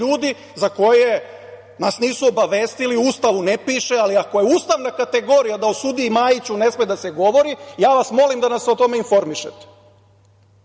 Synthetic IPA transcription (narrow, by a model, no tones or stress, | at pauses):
uːd̪i | zako̞je̞ | nasniːsuo̞baʋe̞ːst̪iliuːst̪aʋunepiːʃealiako̞jeuːst̪aʋnakat̪e̞ɡo̞ːɾijad̪aosud̪iːmajit͡ɕune̞smed̪ase̞ɡo̞ʋo̞ɾijaːʋasmo̞limd̪anasːo̞t̪o̞me̞info̞ɾmiʃet̪e̥